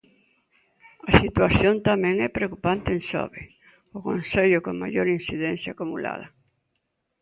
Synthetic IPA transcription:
ɐsit̪waθjont̪amɛ̃ŋɛpɾeokupant̪ɪensɔ̰βɪ | ʊkonseʎʊkoŋma̰joɾin̟siðɛnθjakumula̰ð̞ɐ

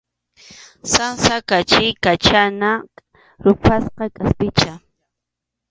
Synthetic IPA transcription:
sansakat͡ʃɪkat͡ʃana | ɾʊpʰasqɑkʼaspɪt͡ʃa

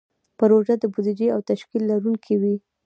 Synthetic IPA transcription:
pəɾoʒad̪əbud̪id͡ʒeawt̪aʃkilːaɾuŋkʰiwi

